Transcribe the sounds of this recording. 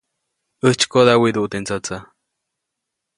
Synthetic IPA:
əht͡ʃkoðawid̪uʔt̪ent͡sat͡sa

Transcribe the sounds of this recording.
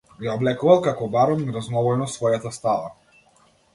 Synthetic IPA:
jaɔblɛkuvalˠkakɔbaɾɔmnɛɾaznɔbɔjnɔsvɔjat̪ast̪ala

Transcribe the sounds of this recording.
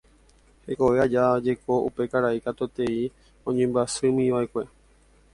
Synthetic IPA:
he̞ko̞ʋe̞ad͡ʒad͡ʒe̞ko̞ṵpe̞kaɾaikat̪ot̪e̞i | õɲẽmbasɨmĩʋaekʷe̞

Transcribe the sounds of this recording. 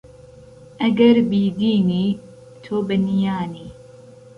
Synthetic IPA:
ʔɐɡɐɾbiːd̪iːniː | t̪ʰoːbɨnijaːniː

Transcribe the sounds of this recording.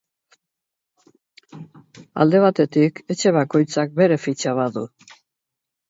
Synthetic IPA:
a̰ld̪e̞β̞at̪e̞t̪ike̞t͡ʃe̞βako̞jt͡sak̚be̞ɾe̞fit͡ʃaβaðu

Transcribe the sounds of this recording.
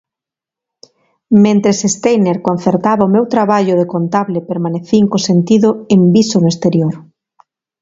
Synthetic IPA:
mẽnt̪ɾesest̪ejneɾkon̟θeɾt̪aβaomewt̪ɾaβaʎʊðekont̪aβlepeɾmaneθiŋkosent̪iðʊembisonʊest̪eɾjoɾ

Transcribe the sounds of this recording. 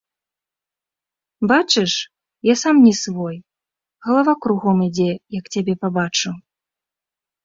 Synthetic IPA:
bat͡ʂɨʂ | jasamnʲɛsvɔj | ɣɐlˠavakɾuɣɔmid͡zʲɛjɐkt͡sʲabʲɛpabat͡ʂu

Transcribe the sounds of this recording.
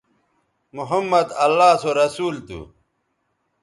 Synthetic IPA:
muɦɐmːɐd̪ɐlːaːsoɾɐsuːlt̪ṵ

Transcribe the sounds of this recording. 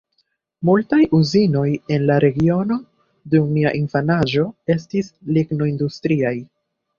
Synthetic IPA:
multajuzino̞je̞nlaɾe̞ɡio̞no̞ | dummiaʔinfanad͡ʒo̞e̞s̬tislikno̞industɾiaj

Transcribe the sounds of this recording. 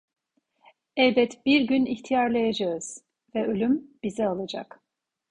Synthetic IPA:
ɛlbɛt̪biɾɟyniçt̪ʰijaɾlˠajad͡ʒaɯz̥ | vɛø̞lʲymb̥izɛalˠad͡ʒa̰k

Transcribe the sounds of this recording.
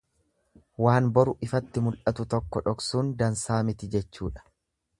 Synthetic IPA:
waːnbɐɾʊʔɪfɐt̪ːɪmʊlʔɐt̪ʊt̪ɔkːɔᶑɔksuːnd̪ɐnsaːmɪt̪ɪd͡ʒɛt͡ʃːuːᶑɐ̥

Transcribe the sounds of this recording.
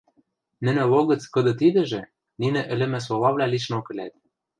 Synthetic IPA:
nɘ̆nɘ̆βoɣɤ̆t͡skɤ̆d̪ɤ̆t̪id̪ɘ̆ʒĕ | ninɘ̆ʔɘ̆lɘ̆mɘ̆s̬olɑβlʲæliʃnokɘ̆lʲæt̪̚

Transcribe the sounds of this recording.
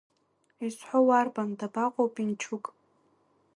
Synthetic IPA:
isʷħʷowarbandabaqʼowpʼint͡ʃʰʊkʼ

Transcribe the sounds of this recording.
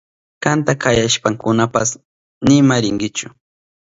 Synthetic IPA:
kant̪akʰajaʃpaŋkʊnapas | nɪmaɾɪŋɡɪt͡ʃʊ

